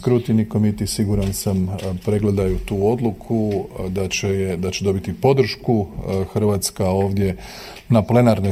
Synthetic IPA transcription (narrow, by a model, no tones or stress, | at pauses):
kɾut̪inikomit̪isiɡuɾansampɾe̞ɡle̞d̪ajut̪uːo̞d̪lˠukʰud̪at͡ɕejed̪at͡ɕe̞d̪o̞bit̪ipo̞d̪r̩ʃkuxər̩ʋat̪skao̞ːʋd̪je̞ | naple̞naɾno